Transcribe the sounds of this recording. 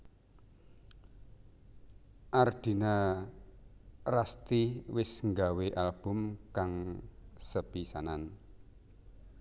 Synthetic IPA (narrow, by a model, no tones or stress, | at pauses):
ʔard̪̥i̤na | rast̪iwɪsŋɡaweʔalb̥ʊ̤mkaŋsəb̥isanan